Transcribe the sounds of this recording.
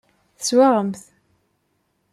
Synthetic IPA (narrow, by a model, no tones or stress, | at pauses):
θə̥swaʁəmθ